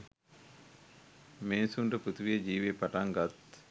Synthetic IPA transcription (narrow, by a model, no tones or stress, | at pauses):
meːnsuɳɖəput̪uʋied͡ʒiːʋepaʈaŋɡat̪